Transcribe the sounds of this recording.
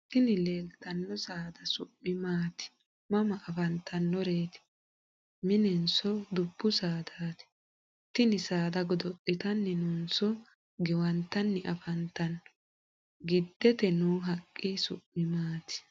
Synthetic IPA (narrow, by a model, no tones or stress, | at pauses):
t̪ɪnɪleːlt̪ːɐnːɔsaːd̪ɐsʊpʼːɪmaːt̪ɪ̥ | mɐmɐʔːfɐnt̪ʰɐnːɔɾeːt̪ɪ̥ | mɪnɛnsɔd̪ʊb̥ːʊsaːd̪aːt̪ɪ̥ | t̪ɪnɪsaːd̪ɐɡɔd̪ɔʔʼːɪt̪ɐnːɛnunsɔ | ɡɛwɐnt̪ɐnːɛʔɐfɐnt̪ɐnː | ɡɪd̪ːɛt̪ɛnuːɦɐkʼːɪsʊ̰pʼːɪmaːt̪ɪ̥